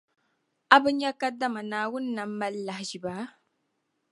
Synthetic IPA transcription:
a˦bɨ˦ɲa˦ka˦da˦ma˨naː˨wʊ˦n˦na˨m̩ː˦a˦lːa˨hʒi˨baː˨˦

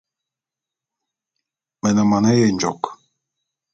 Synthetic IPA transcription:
mɛ˨nə˨ma˨na˦je˦˨nd͡ʒɔ˨k

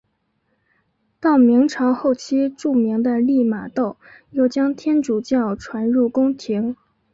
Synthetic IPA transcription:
t̪ɑ˥˩ʊmi˧˥ŋʈ͡ʂʰɑ˧˥ŋxo˥˩ʊt͡ɕʰi˥ʈ͡ʂu˥˩mi˧˥ŋd̪ə˧li˥˩ma̰˨˩t̪o˥˩ʊjo˥˩ʊt͡ɕjɑ˥ŋt̪ʰjɛ˥nʈ͡ʂu˨˩t͡ɕjɑ˥˩ʊʈ͡ʂʰwa˧˥nɻu˥˩kʊ˥ŋt̪ʰi˧˥ŋ

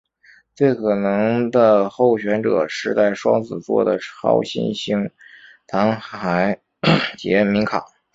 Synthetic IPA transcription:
t͡swe˥˩ɪkʰɤ˨˩nɤ˧˥ŋd̪ə˧xo˥˩ʊɕɥɛ˧˥nʈ͡ʂɤ˨˩ʂɻ̩˧˥˧t͡sa˥˩ɪʂwɑ̰˥ŋt͡sɹ̩˨˩t͡swɔ̰˥˩d̪ə̰˨˩ʈ͡ʂʰɑ̰˥ʊɕḭ˥˩nɕi˥ŋ | t̪ʰa˧˥ŋxa˧˥ɪ | t͡ɕjɛ˥˩mi˧˥ŋkʰɑ˨˩˦

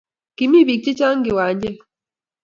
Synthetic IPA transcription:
ki˨mi˦βi˨k̚t͡ʃi˦t͡ʃa˦ŋɡi˨wa˨˦ɲɟe˦

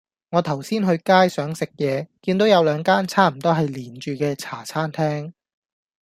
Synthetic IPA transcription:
ŋɔː˨˧t̪ʰɐ˨˩wsiː˥nɦɵ˧ɥkaː˥jsœː˨˥ŋsɪ˨k̚jɛː˨˧kiː˧nt̪o˨˥wjɐ˨˧wlœː˨˧ŋkaː˥nt͡sʰaː˥m̩˨˩t̪ɔː˥ɦɐ˨jliː˨˩nt͡ʃyː˨kɛː˧t͡sʰaː˨˩t͡sʰaː˥nt̪ʰɛː˥ŋ

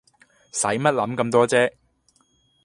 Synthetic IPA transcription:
sɐ˨˥jmɐ˥t̚lɐ˨˥mkɐ˧mt̪ɔː˥t͡sɛː˥

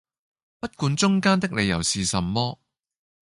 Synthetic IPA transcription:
pɐ˥t̚kuː˨˧nt͡sʊ˥ŋkaː˥nt̪ɪ˥k̚le˨˧jɐ̰˨˩wsiː˨sɐ˨mːɔː˥

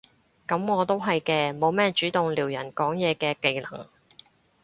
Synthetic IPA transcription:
kɐ˨˥mŋɔː˨˧t̪o˥wɦɐ˨jkɛː˧mo˨˧wmɛː˥t͡ʃyː˨˥t̪ʊ˨ŋliː˨˩wjɐ˨˩nkɔː˨˥ŋjɛː˨˧kɛː˧ke˨˧jlɐ̰˨˩ŋ

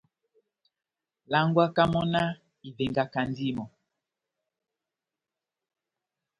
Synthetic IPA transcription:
la˦ŋɡwa˦ka˦mɔ˦na˦ | i˨ve˨ŋɡa˨ka˨n˦di˦˨mɔ˨

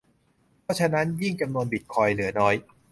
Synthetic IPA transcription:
pʰɔ˦˥t͡ɕʰa˧na˦˥nji˥˩ŋt͡ɕa˧mnu˧ənbi˨˩t̪̚kʰɔː˧jlɯ˩˦ɐnɔː˦˥j

